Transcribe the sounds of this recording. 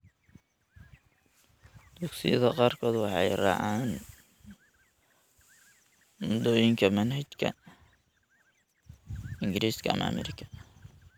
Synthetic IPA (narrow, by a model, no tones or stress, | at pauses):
d̪̥uksɪ̰jɐðɐqɑːrkʰɔːd̪wɑħɑjrɑ̰ʕaːn | mʊd̪ɔːjɪŋkʰɐmɐnhɐt͡ʃkʰɐ̰ | ɪŋɡɪɾiːskʰɐɐ̰m̰ɐ̰mɛ̰ɾɪkʰɐ̥